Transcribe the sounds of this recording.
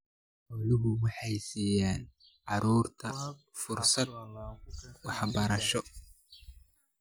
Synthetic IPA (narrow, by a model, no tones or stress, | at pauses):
ʊlɪβʊwɑħɑjsiːjaːn | ʕɑɾuːrt̪ʰɐ | fʊrsɐd̪̚ | wɑħbɐɾɐʃɔ